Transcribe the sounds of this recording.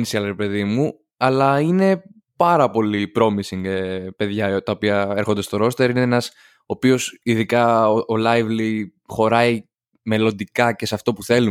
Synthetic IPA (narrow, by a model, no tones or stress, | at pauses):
nisiɐlɾepe̞ðimu | ɐlɐine̞ | pɐɾɐpo̞lipɾo̞misiŋɡepe̞ðʝɐt̪ɐopiɐe̞ɾxo̞nd̪e̞st̪o̞ɾo̞st̪eɾineenɐs | opio̞siðikɐolɐjvlixo̞ɾɐi | me̞lo̞nd̪ikɐce̞seɐft̪o̞puθe̞lu